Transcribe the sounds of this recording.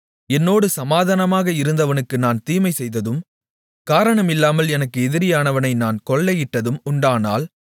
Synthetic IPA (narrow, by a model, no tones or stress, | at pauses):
ɛnːoːɽɯsɐmaːðanɐmaːɣɐɪɾɯnd̪ɐʋɐnɯkːɯnaːnt̪iːmɐɪsɛjðɐðɯm | kaːɾɐɳɐmɪlːaːmɐlɛnɐkːɯɛðɪɾɪjaːnɐʋɐnɐɪnaːnkɔɭːɐjɪʈːɐðɯmʊɳɖaːnaːl